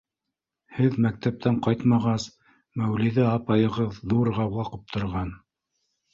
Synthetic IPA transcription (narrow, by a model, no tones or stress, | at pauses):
hɘðmæk̚t̪æp̚t̪ʰæɴqɑjt̪mɑʁɑs | mæwliðɘɑpɑjɤ̆ʁɤðːuɾʁɑwɑqɤp̚t̪ʰŏɾʁɑn